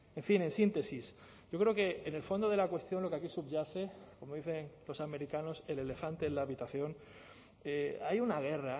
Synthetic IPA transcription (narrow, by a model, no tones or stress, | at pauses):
e̞ɱfine̞nsint̪e̞sis | ɟ͡ʝo̞kɾe̞oke̞ːne̞lfo̞nd̪o̞ðe̞lakwe̞st̪jo̞nlo̞keakisubʝaθe̞ko̞mo̞ðiθe̞ŋlo̞same̞ɾikano̞se̞le̞le̞fant̪e̞laːβit̪aθjo̞n | eajunaɣ̞e̞ra